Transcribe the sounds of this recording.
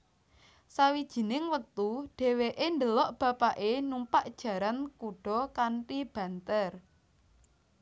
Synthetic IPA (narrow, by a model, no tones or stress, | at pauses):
sawid̥ʒ̥i̤nɪŋwət̪uɖ̥e̤weʔend̪əlɔʔb̥ä̤paʔenumpaʔd̥ʒ̥ä̤ɾankuɖ̥ɔ̤kaɳʈib̥ä̤nt̪ər